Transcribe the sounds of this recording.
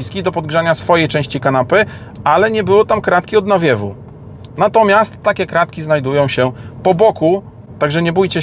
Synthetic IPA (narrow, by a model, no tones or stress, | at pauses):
iskʲid̪ɔpɔd̪̚ɡʐaɲasfɔjejt͡ʂɛ̃w̃ɕt͡ɕikanapɘ | alɛɲɛbɘwɔt̪amkɾat̪kʲiɔd̪navʲjɛvṵ | nat̪ɔmʲjast̪ːakʲɛkɾat̪kʲiznajd̪ujɔ̃w̃ɕɛpɔbɔku | t̪aɡʐɛɲɛbujt͡ɕɛ